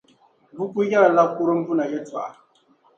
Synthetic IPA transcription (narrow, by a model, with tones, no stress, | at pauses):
bu˦ku˦ja˦˨la˦ku˦ɾo˦m˦bu˦na˨jɛ˦ta̰˨a̰˨